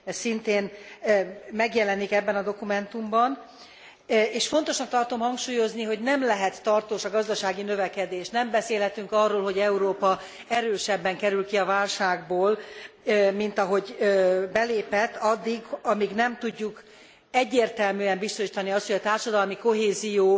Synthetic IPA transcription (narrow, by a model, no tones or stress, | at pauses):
sint̪eːn | mɛɡjɛlɛnikɛbːɛnɒd̪o̞kumɛnt̪umbɒn | eːʃfo̞nt̪o̞ʃnɒk̚t̪ɒrt̪o̞mhɒŋkʃuːjo̞zniɦo̞ɟnɛmlɛɦɛt̪ːɒrt̪oːʃɒɡɒzd̪ɒʃaːɡinø̞vɛkɛd̪eːʃnɛmbɛseːlɦɛt̪yŋkɒrːoːlɦo̞ɟɛuɾoːpɒ | ɛɾøːʃɛbːɛŋkɛɾylkiɒvaːlʃaːɡboːlː | min̪t̪ɒɦo̞ɟbɛleːpɛt̪ːɒd̪ːiɡɒmiɡnɛmt̪uɟːuk | ɛɟːeːrt̪ɛlmyːɛmbist̪o̞ʃiːt̪ɒniɒst̪hoɟɒt̪aːrʃɒd̪ɒlmiko̞ɦeːzijoː